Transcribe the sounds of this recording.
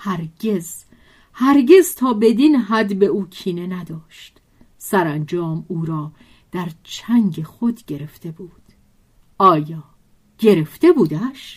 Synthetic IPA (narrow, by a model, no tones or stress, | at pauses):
hæɾɡez | hæɾɟe̞zt̪ʰɒːbe̞d̪inɦæd̪be̞uːcʰiːne̞næd̪ɒːʃt̪ | sæɾænd͡ʒɒːmuːɾɒː | d̪̥æɾt͡ʃʰæŋɡexo̞d̪ɟe̞ɾe̞ft̪e̞buːd̪̥ | ɒːjɒː | ɟ̥e̞ɾe̞ft̪e̞buːd̪æʃ